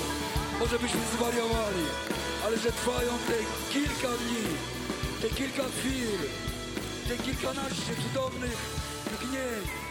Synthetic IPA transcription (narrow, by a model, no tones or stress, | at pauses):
mɔʐɛbɘɕmɨzvaɾjavalʲi | alɛʐɛt̪vajɔ̃w̃t̪ɛ | kʲilkad̪ɲi | t̪ɛkʲilkaxfʲiwl | t̪ɛkʲilkanaʂɨt̪sud̪ɔvnɨx | vɡɲɛ